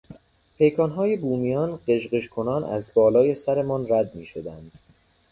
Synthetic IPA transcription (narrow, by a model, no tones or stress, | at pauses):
pʰe̞jkʰɒːnɦɒːjebuːmijɒːnɢe̞ʒɢeʃkʰo̞nɒːnʔæ̰zbɒːlɒːje̞sæɾe̞mɒːnræd̪̚miːʃod̪ænd̪̥